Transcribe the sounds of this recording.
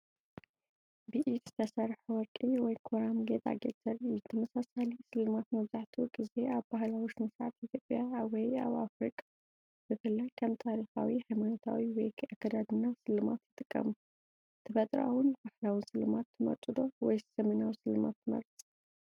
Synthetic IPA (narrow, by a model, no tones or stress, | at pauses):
biʔit̪zɨt̪ʰɐsɐɾħuwɔkʼːiwɔjkʰoɾamɡet̪a̰ɡet̪zɐɾɨut̪ʰɐmɐsasalisɨlːɨmat̪mɐβzaħt̪ʰiɡʼɨze̞aβbahlawiʃnɨsʕat̪it̪ʰjo̞pʼjawɔja̰βafɾikʼḁ | b̥ɨfɨlːajkʰɐmt̪ʰaɾixa̰wihajmanot̪ʰa̰wiwɔjkʰakʰːɐd̪ad̪ɨnːasɨlːɨma̰t̪jɨt̪ʼɨkʼːɐ̰mu | t̪ʰɐbɐt̪ʼɾa̰wʊnbahlawɨnsɨlːɨmat̪ʰːɨmɐ̰ɾt̪ʼɨd̪o̞wɔjsɐmɨnawisɨlːɨma̰t̪ːɨmɐ̰ɾt͡sʼi̥